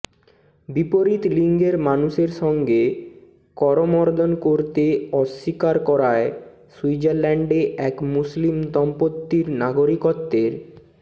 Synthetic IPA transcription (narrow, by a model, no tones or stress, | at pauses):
bipoɾit̪liŋɡeɾmanuʃeɾʃɔŋɡe | kɔɾomɔɾd̪ʱonkoɾt̪eɔʃːikaɾkɔɾae | suid͡ʑaɾlɛɳɖeʔɛkmuslimt̪ɔmpot̪ːiɾnaɡoɾikot̪ːeɾ